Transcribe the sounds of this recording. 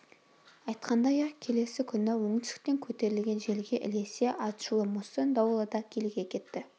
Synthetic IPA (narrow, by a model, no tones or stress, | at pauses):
ɑjt̪qɑnd̪ɑjɑkʲʰe̞le̞sɪkʲʰʏnɪwɵŋɪsɪ̥k̚p̪e̞ŋkʲʰɵt̪e̞ɾɪlɡʲe̞nʒe̞lɡʲe̞ʔɪ̰le̞se̞ʔɑt̪ʃulˠəmusɪnd̪ɑwəlˠəd̪ɑkʲʰe̞lɡʲe̞kʲʰe̞t̪ːɪ